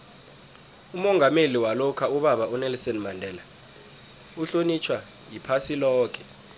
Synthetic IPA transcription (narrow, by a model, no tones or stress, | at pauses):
umɔŋɡʱameliwalɔkʰauɓaɓaunɛlsɔnmandʱɛːla | uɬonit͡ʃʰwa | jipʰasilɔːk̬ʰʼɛ̥